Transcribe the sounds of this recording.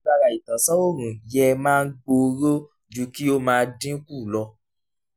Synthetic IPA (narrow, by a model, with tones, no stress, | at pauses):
a˧ɾa˨i˨tã˨˦sɔ˦o˦˨ɾ̃ũ˨jɛ˧mãː˦˧n̩˦ɡ͡bo˧ɾo˦ | d͡ʒu˦ki˦o˦mãː˧dĩ˦ku˦˨lɔ˧